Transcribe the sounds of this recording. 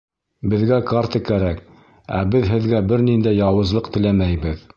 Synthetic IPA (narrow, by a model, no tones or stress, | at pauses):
bɘ̆ðɡækaɾt̪ɤkæɾæk̚ | æ̰bɘðɦɘ̆ðɡæbɘɾnind̪æjɑwɤ̆zlˠɤqt̪ɘ̆læmæjbɘð